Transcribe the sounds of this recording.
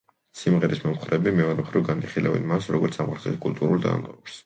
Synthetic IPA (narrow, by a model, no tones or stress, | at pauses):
simʁɛɾismɔmχɾɛbimɛɔɾɛmχɾivɡaniχilɛvɛ̰nmasɾɔɡɔɾt̪sʰamaɾzɛt̪kʼulˠt̪ʼuɾulˠd̪a̰mʁɛɾs